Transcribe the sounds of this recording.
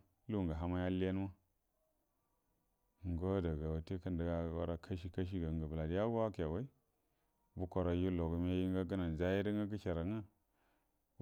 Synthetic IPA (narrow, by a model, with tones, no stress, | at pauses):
lu˦˨ŋɡa˨ɦa˦ma˦ja˦li˦a˦n˦ma˦˨ | ŋ˨ɡo˦da˨ɡa˨wa˨te˦ka˦ndə˨ɡa˦˨wa̰˦ɾa˦kʰa˦ʃi˦ka˦ʃ̬i˦ɡa˨ɡa˨bla˨di˦ja˦wa˦ka˨ba˦i˦ | bu˦kʷo˨ɾa˨ju˦lo˨ɡə˨me˦ji˦ŋ˦ɡa˦ɡə˦na˨n˨za˦ji˦də˦ŋɡa˦k̬ə˦ʃa˨ɾa˨ŋa˦